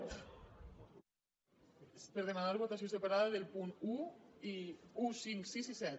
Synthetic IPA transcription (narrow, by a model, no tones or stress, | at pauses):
pəɾðemanaɾβot̪asios̬epaɾaðaðelˠpunuiusiŋksisisɛt̪̚